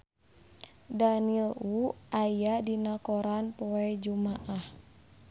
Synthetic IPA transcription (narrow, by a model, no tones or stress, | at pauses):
daniluʔajadinakɔɾanpɔɛd͡ʒumaʔah